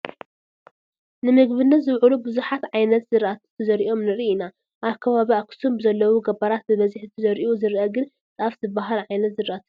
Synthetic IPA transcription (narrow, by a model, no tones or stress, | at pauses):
nɨmɨɡβɨnːɐt̪zɨβʕulubɨzuħat̪ʕajnɐt̪z̥ɨɾʔat̪ʰt̪ʰɐzɐɾiʔo̞mnɨɾiʔːna | ʔaβkʰɐβaβiakʰɨ̥sumbɨzɐlːɐwuɡɐbɐɾat̪̚bɨβɐziħzɨt̪ʰɨzɐɾiuzɨɾʔɐɡɨn | t͡s̪ʼʔafzɨbaɦalʕajnɐt̪zɨɾʔat̪ʰu̥